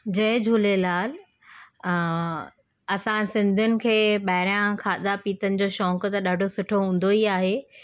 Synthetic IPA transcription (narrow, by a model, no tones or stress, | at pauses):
d͡ʑɐɦɪ̃d͡ʑʱuːlelaːl | ɐsãsɪ̃nd̪ʱʊnɪ̆kʰeːɓɐɦɪɾãkʰaːd̪apiːt̪ənɪ̆d͡ʑoːʃɔ̃ːŋkʊt̪ɐɗaːɖʱosʊʈʰoɦũːn̆d̪oiaːɦe